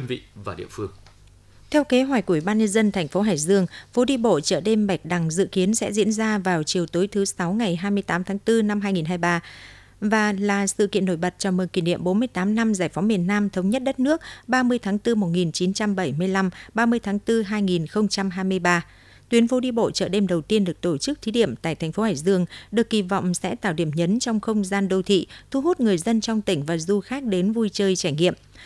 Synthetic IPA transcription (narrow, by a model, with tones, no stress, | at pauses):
nvḭ˧˨vaː˨˩ɗḭ˧˨əfɨ˧əŋ | t̪ʰɛ˧wke˨˦ɦwɛ̟˨˩ku˧˩˨i˧˨˩ɓːnɲə˧nzə˧nt̪ʰɛ˨˩ŋ̟fo˨˦ɦaː˧˩jzɨ˧əŋfo˨˦ɗi˧ɓo̰˧˨t͡ɕə̰ː˧˩ɗe˧mɓa˨˩jk̟̚ɗa˨˩ŋzɨ̰˧˨ki˨˦ənsɛ̰˧˥zḭ˧˥ənzaː˧vaː˨˩wt͡ɕi˨˩əwt̪o˨˦jt̪ʰɨ˨˦sa˨˦wŋa˨˩jɦaː˧jmɨ˧əjt̪aː˨˦mt̪ʰaː˨˦ŋt̪ɨ˧na˧mhaː˧jŋi˨˩nɦaː˧jɓaː˧ | vaː˨˩laː˨˩sɨ̰˧˨kḭ˧ənːo˧˩jɓə˨˩t̚t͡ɕɔ˧˩mɨ˨˩nki˧˩nḭ˧əmɓo˨˦nmɨ˧əjt̪aː˨˦mna˧mzaː˧˩jfa˨˦wmi˨˩ənːaː˧mt̪ʰə˨˦wŋ͡mɲə˦˥t̚ɗə˦˥t̚nɨ˦˥ək̚ɓaː˧mɨ˧əjt̪ʰaː˨˦ŋt̪ɨ˧mo˨˩t̚ŋi˨˩nt͡ɕi˨˦nt͡ɕa˧mɓə˧˩jmɨ˧əjla˧mɓaː˧mɨ˧əjt̪ʰaː˨˦ŋt̪ɨ˧ɦaː˧jŋi˨˩nxə˧wŋ͡mt͡ɕa˧mɦaː˧jmɨ˧əjɓaː˧ | t̪wi˨˦ənfo˨˦ɗi˧ɓo̰˧˨t͡ɕəː˧˩ɗe˧mɗə˨˩wt̪i˧ənɗɨ˨˩ək̚t̪o˧˩t͡ɕɨ˦˥k̚t̪ʰi˨˦ɗḭ˧˩əmt̪a̰ː˧˨jt̪ʰɛ˨˩ŋ̟fo˨˦haː˧˩jzɨ˧əŋɗɨ˨˩əkːi˧˩vɔ̰˧˨wŋ͡msɛ̰˧˥t̪a̰ː˧˩wɗi˧˩əmɲə˨˦nt͡ɕɔ˧wŋ͡mxə˧wŋ͡mzaː˧nɗo˧wt̪ʰḭ˧˨t̪ʰu˨˧˦ɦo˦˥t̚ŋɨ˨˩əjzə˧nt͡ɕɔ˧wŋ͡mt̪ï˧˩ŋ̟vaː˨˩zu˧xaː˦˥k̚ɗe˨˦nvu˧jt͡ɕəː˧jt͡ɕaː˧˩jŋḭ˧˨əm